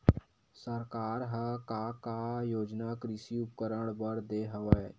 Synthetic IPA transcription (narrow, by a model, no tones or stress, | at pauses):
səɾkaːɾɦəkakajoːd͡ʒnakɾɪʃiʊp̚kəɾəɽ̃bəɽd̪eːɦəʋəe